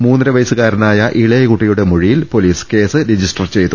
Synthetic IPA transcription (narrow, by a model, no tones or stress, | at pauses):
muːnːɾɐʋɐjsɨɣaːɾɐnaːjɐʔiɭɐjɐkuʈːijuɽe̞moɻijilpo̞liːske̞ːsɨɾed͡ʑisʈɐrt͡ɕe̞jt̪ːu